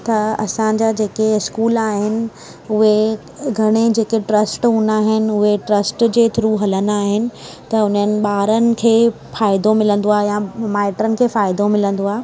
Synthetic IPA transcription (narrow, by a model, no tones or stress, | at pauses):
t̪ɐɐ̰sãɲd͡ʑaːd͡ʑeːkeɪskuːlaːɦɪnɪ̆ | ʊɦe | ɡʱɐɽ̃ed͡ʑeːkeʈɾɐsʈũnaːɦɪnɪ̆ʊɦeʈɾɐsʈd͡ʑeːt̪ʰʊɾuɦɐlənaːɦɪnɪ̆ | t̪ɐʊn̤ənɪ̆ɓaːɾənɪ̆kʰeː | faːɪd̪omɪlə̃nd̪oaːɦejãmaːɪʈɾənɪ̆kʰeːfaːɪd̪omɪlə̃nd̪oaːe